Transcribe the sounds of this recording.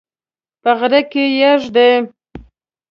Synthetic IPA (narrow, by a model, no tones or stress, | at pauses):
pəɣɾakejaʒd̪e